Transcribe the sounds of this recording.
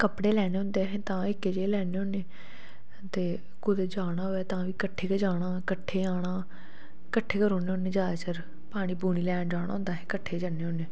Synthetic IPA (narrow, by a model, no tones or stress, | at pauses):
kəpɽeːlɛːneːʊ̃nd̪eːɦɛ̃ːt̪ãːɪkːeːd͡ʒeːlɛːneːõːneː | t̪eː | kʊd̪eːd͡ʒaːɽ̃aːɦoːɛːt̪ãːʋiːkəʈʰːeːkəd͡ʒaːɽaːkəʈʰːeːaːɽaː | kəʈʰːeːkəɾoːneːoːnẽːd͡ʒaːt͡ʃəɾ | paːɽ̃iːbuːɽ̃iːlɛːd͡ʒaːɽa̰ːɦʊ̃nd̪aːɦɛ̃ːkəʈʰːeːd͡ʒaneːoːneː